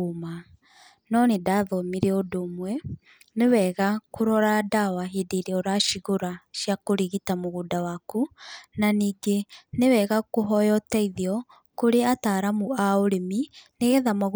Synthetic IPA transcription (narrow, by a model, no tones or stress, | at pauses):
ma | nɔnedaðɔmiɾeodomwɛ | newɛɣakoɾɔɾadawaɦedeɾeɔɾaʃiɣoɾaʃijakoɾiɣitamoɣudawakunaniːɡenewɛɣakoɦɔjɔtɛiðiɔ | koɾeataːɾamuaoɾemineɣɛðamaɣ